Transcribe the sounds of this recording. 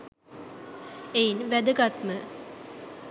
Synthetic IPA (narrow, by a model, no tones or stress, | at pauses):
ejinʋæd̪əɡat̪mə